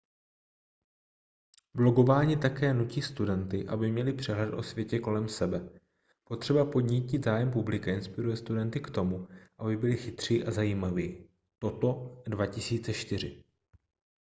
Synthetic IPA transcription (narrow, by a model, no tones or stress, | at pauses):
blo̞ɡo̞vaːɲit̪akɛːnuciːst̪udɛnt̪ɪʔa̰bɪmɲɛlɪpr̝̥ɛɦlɛt̪ʔo̞̰svjɛcɛko̞lɛmsɛbɛ | po̞t̪r̝̥ɛbapo̞d̪ɲicid̪zaːjɛmpublɪkaɪnspɪɾujɛst̪udɛnt̪ɪkt̪o̞muʔabɪbɪlɪxɪt̪r̝̥iːʔazajiːmaviː | t̪o̞t̪o̞dvacɪsiːt͡sɛʃt̪ɪr̝ɪ̰